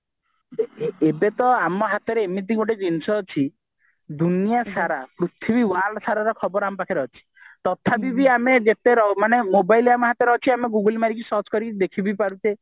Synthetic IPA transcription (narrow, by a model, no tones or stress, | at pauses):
eiebet̪ɔamɔɦat̪ɔɾeːmit̪̬iŋɡoʈed͡ʒinsɔɦːt͡ʃʰi | d̪unijasaɾapɾut̪ʰibiwalsaɾaɾɔkʰɔbɔɾamɔpakʰiɾɔɦɔt͡ʃʰi̥ | t̪ɔt̪ʰabibiamed͡ʒet̪eɾɔmanemobajlamɔɦat̪ɔɾɔɦt͡ʃʰiameɡuɡəlmaɾikisɔt͡ʃkɔɾikd̪ekʰibipaɾut̪e